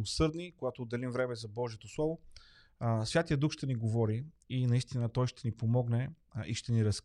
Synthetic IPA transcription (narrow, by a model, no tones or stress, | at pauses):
osɤɾd̪nikoɡat̪oːd̪ːɛlimvɾɛmɛzɐbɔʒiɛt̪oslˠɔvo | svʲat̪ijəd̪uxʃt̪ɛniɡovɔɾiinɐist̪inət̪ɔjʃt̪ɛnipomɔɡnɛ | ḭʃt̪ɛniɾɐs